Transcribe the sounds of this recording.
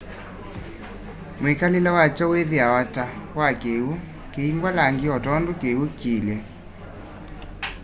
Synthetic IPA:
mekalilawat͡ʃɔweðiawatawakeu | keiŋɡwalaŋɡiɔtɔndokeukilɛ

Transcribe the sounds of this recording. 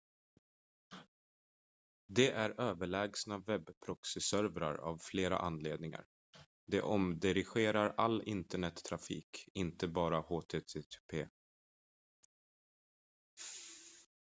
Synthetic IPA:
d̪ɛʔæɾøːvəɭɛːɡsnavɛbːpʰɾɔksɪsœɾvɾa̰ɾa̰vfleːɾa̰ʔanːleːd̪nɪŋa̰ɾ | d̪ɛʔɔmd̪ɪɾɪɧeːɾaɾalːɪnt̪əɳɛt̪ʰːɾafḭːkɪnt̪əbɑːɾahoːt̪ʰeːt̪ʰeːt̪ʰːpʰeː

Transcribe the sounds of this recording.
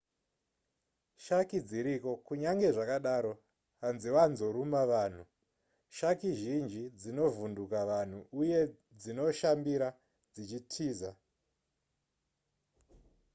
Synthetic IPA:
ʃakid͡ziɾiko̞kuɲaŋɡe̞ʐakaɗaɾo̞ | ɦanziwanzo̞ɾumaʋaːn̤u | ʃakiʒind͡ʒid͡zino̞vundukaʋan̤uuje̞ | d͡zino̞ʃambiɾa | d͡zit͡ʃitʰiːza

